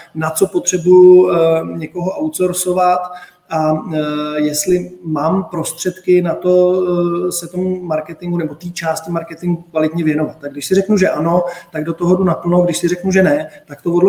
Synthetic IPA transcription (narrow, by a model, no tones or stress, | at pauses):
nat͡sopo̞t̪r̝̥ɛbuju | ɲɛko̞ɦoʔawt̪soɾsovat̪ | ʔa | jɛst̪lɪmaːmpɾo̞st̪r̝̥ɛt̪kɪnat̪o̞ | sɛt̪o̞mːaɾkɛt̪ɪŋɡunɛbo̞t̪iːt͡ʃaːstɪmaɾkɛt̪ɪŋɡukvalɪt̪ɲɛvjɛno̞vat̪̚ːaɡdɪʃsɪrɛknuʒɛʔano̞t̪aɡdo̞t̪oɦodunapl̩nowɡdɪʃsɪɾɛknuʒɛnɛt̪ak̚t̪ovodl